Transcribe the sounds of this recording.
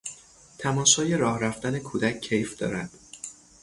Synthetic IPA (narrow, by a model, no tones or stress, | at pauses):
t̪ʰæmɒːʃɒːje̞ɾɒːhɾæft̪æne̞kʰuːd̪æcʰːe̞jfd̪̥ɒ̰ːɾæd̪̥